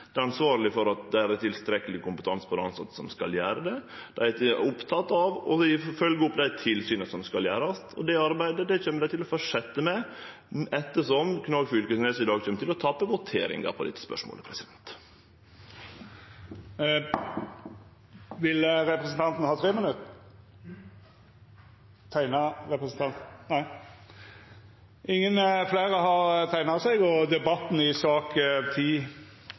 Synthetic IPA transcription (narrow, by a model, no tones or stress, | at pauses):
d̪̥ɛɾɑnsʋɑːɾlɪfɔɾɑt̪̚d̪ɛæɾæt̪ʰɪlst̪ɾɛkːəlɪkʊmpə̥t̪ʰɑnspʰɔd̪ɛɑnsɑt̪ːə̥sɔmskɑljæːɾəd̪ɛd̪̥æɪt̪ʊpt̪ʰɑt̪ːɑʋɔ̰ɪfœlɡəʊpːd̪æɪt̪ʰɪlsyːnəsɔmskɑljæːɾɑst̪ʰɔ̰d̪ɛɑɾbæɪd̪əd̪ɛçeːməd̪æɪt̪ɪlɔfɔʂɛt̪ːəmɛ | ɛt̪ːəʂɔmkʰnɑɡfʏlkəsnɛsɪd̪ɑːɡt͡ʃʰɛmt̪ʰɪlɔt̪ʰɑpːəʋʊt̪ʰḛːɾɪ̰ŋɡɑ̰pʰɔd̪ɪ̰t̪ːə̥spœ̰ʂmo̰ːləpʰɾɛsɪd̪ɛnt̪ | ʋɪlɾɛpʁəsən̩t̪ʰɑnt̪n̩hɑːt̪ʰɾeːmənʉt̪ | t̪ʰæɪnɑɾɛpɾəsn̩t̪ɑnt̪næɪ | ʔɪŋːənfleːʁəɦɑɾt̪ʰæɪnɑsɛɡɔd̪ɛbɑt̪n̩ɪsɑːkt̪ʰiː